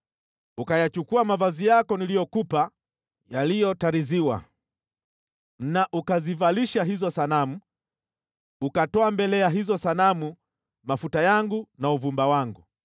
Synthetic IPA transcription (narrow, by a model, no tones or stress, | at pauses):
ukajat͡ʃukuamavazijakɔnilijɔkupa | jalijɔtaɾiziwa̰ | naʔukazivaliʃaɦizɔsanamu | ukatɔambɛlɛjaɦizɔsanamu | mafutajaŋɡunauvumbawaŋɡu